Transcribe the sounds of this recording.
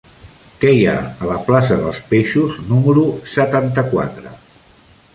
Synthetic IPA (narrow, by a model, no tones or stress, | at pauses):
kɛja̰ələplasəðə̰lˠspeʃuznuməɾusət̪ant̪əkwa̰t̪ɾə̰